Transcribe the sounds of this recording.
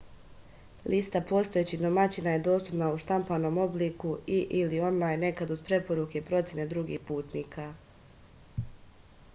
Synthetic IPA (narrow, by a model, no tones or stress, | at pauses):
lʔist̪apo̞st̪o̞jet͡ɕid̪o̞mat͡ɕinaje̞d̪o̞ːst̪upnauʃt̪ampano̞ːmo̞bliːkuiʔilio̞nlˠaːjnːe̞kad̪uzpɾe̞po̞ɾuke̞pɾo̞t̪sʲje̞ne̞d̪ɾuɡḭhpuːt̪niːkʰa